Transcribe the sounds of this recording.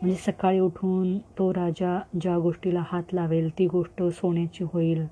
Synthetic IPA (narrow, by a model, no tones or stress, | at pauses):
m̤əɳd͡zesəkaɭiːuʈʰuːnt̪oɾad͡ʑad͡ʑaɡoʂʈilahat̪laʋelt̪iːɡoʂʈəsoɳjat͡ɕiːɦoiːl